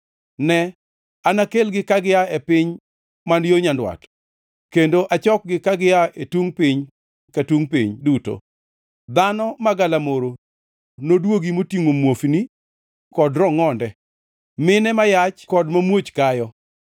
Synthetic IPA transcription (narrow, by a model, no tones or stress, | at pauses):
nɛ | anakelɡɪkaɡɪjaepɪɲ | manjoɲandwa̰t | kendoʔat͡ʃɔk̚ɡɪkaɡɪaetuŋpɪɲ | katuŋpɪɲduto̰ | d̪anɔmaɡalamoɾo | nodwoɡimotiŋomwofni | kɔdɾɔŋɔndɛ | mɪnɛmajat͡ʃkɔdmamwot͡ʃkajɔ